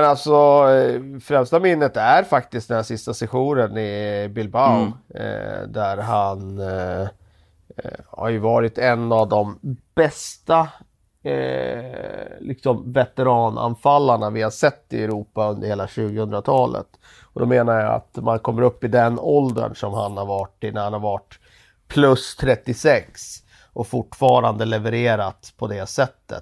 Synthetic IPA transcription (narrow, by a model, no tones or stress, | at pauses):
mɛnalt̪sɔ | fɾɛmst̪amɪnːət̪æɾfak̚t̪ɪst̪d̪ɛnæɾʂɪst̪asɛɧuːnənɪbɪlbaʊ̰ | d̪æɾɦan | ha̰ɾjɵvɑːɾɪt̪ɛnːavd̪ɔmb̥ɛst̪a | lɪksɔmvɛt̪ɛɾɑːnʔa̰nfalːaɳavɪhasɛt̪ːɪɛɾuːpaɵnd̪əɾheːlaɕʉ̟ːɡəhɵnd̪ɾat̪ʰɑːlə̰t̪ | ɔd̪ɔmeːnaɾjaa̰t̪mankʰɔmːəɾɵpːɪd̪ɛnɔld̪ə̰nʂɔmhanhaɾvaʈɪnæɾhanhaɾvaʈ | pʰlɵst̪ʰɾɛt̪ːɪsɛks | ʔɔfʊʈfɑːɾand̪əlɛvəɾeːɾat̪pʰɔd̪ɛsɛt̪ːə̰t̪